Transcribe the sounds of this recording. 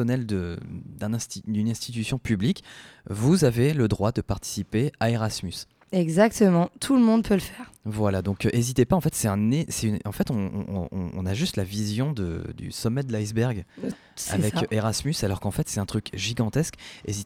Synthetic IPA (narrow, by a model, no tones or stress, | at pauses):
ɔnɛld̪əd̪ɛ̃nɛ̃st̪id̪ynɛ̃st̪it̪ysjɔ̃pyblikvuzaveləd̪ʁwad̪əpaʁt̪i̥sipeaeʁasmys | ɛɡzak̚t̪əmɑ̃t̪ʰuləmɔ̃d̪̚pʰøləfɛːʁvwalad̪ɔ̃kʔezit̪epaɑ̃fɛt̪sɛt̪ɛ̃nesɛynɑ̃fɛt̪ɔ̰̃ːnaʒyst̪lavizjɔ̃d̪ə̰d̪y̰sɔmːɛd̪əlajzbɛʁɡ | sa̰vɛkʔeʁasmysalɔʁkɑ̃fɛt̪sɛt̪ɛ̃t̪χykʒiɡɑ̃t̪ɛskḛzit̪